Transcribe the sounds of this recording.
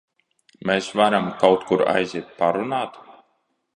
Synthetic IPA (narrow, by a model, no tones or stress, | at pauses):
meːsvaɾamkawt̪kuɾa̰jzʲiɛt̪̚paɾunaːt̪